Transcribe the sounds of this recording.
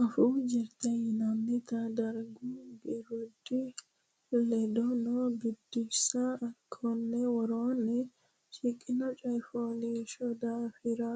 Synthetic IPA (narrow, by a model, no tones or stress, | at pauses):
ʔɐfuːd͡ʒɪɾt̪ɐjnɐmːɪt̪ɐd̪ɐɾɡubɪɾʊd̪ɪ | lɛd̪ɔnobɪd̪ːɪsaɐkʰːonːɛwɐɾoːnːɛ | ʃɪkʼːɪnɐt͡ʃʼɐjfoːniʃɔd̪aːfɪɾa